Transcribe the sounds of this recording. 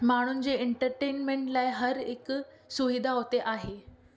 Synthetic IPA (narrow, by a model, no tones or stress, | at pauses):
maɽ̃uːnd͡ʑeeɳʈəɾʈenmeɳʈlajɦəɾek | suʋid̪ʱaɦot̪eʔaɦe